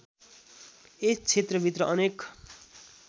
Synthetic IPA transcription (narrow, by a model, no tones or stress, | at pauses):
est͡sʰet̪rʌbʱit̪rʌʔʌnek